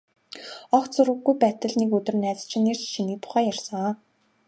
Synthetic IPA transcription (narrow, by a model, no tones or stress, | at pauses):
ɔχt̪t͡sʊrʁə̆ɡːujpæːt̪ə̆ɮnekɵt̪ɵ̆rnæːt͡s̆t͡ɕʰɪ̆neːr̥t͡ɕʃiniːkt̪ʰʊ̥χæːjærsə̆ŋɔ